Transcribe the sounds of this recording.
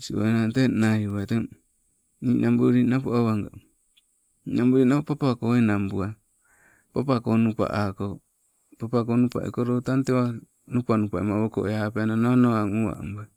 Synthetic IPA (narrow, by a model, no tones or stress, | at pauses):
sio̰enatenajuβate | ninʔambuɾinapoawβaŋɡa̰ | inambuɾinapapakoenambua | papakonupa̰ʔako | papakonupa̰ʔḭkoɾotantewa | nupanupaimaβoko̰ʔeapeananonoaŋua̰mba